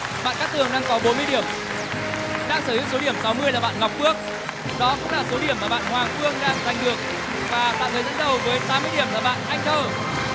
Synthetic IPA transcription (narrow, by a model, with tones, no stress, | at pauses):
ɓa̰ː˧˨nkaː˦˥k̚t̪ɨ˨˩əŋɗaː˧ŋkɔ˨˦ɓo˨˦nmɨ˧əjɗi˧˩əm | ɗaː˧ŋsəː˧˩i˨˦wso˨˦ɗi˧˩əmsa˨˦wmɨ˧əjlaː˨˩ɓa̰ː˧˨nŋa˨˩wk͡p̚kɨ˦˥ək̚ | ɗɔ˨˦kʊ̰˧˥ŋ͡mlaː˨˩so˨˦ɗi˧˩əmaː˨˩ɓa̰ː˧˨nhwaː˨˩ŋfɨ˧əŋɗaː˧ŋza˨˩jŋ̟ɗɨ˨˩ək̚ | vaː˨˩ɓa̰ː˧˨nhʰə˨˦zə̰˧˥nɗə˨˩wvəː˨˦jt̪aː˨˦mɨ˧əjɗi˧˩əmlaː˨˩ɓa̰ː˧˨nʔa˧jŋ̟t͡ɕəː˧˩